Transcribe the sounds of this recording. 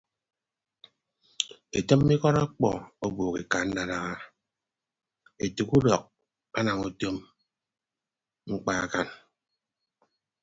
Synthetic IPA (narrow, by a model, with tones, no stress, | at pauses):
e˨tə˦mː˦i˦kɔ˦ɾa˦k͡pɔ̰˨o˦boː˨ke˨ka˨n̩˦da˦ɾa˦ɣa˦ | e˨tu˨ku˦dɔ˨k̚ | a˦na˨ŋu˦to˦m | ŋ͡m̩˦k͡pa˦a˦˨ka˦n